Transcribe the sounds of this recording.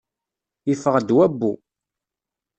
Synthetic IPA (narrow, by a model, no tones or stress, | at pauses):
ifəʁd̪wæbːu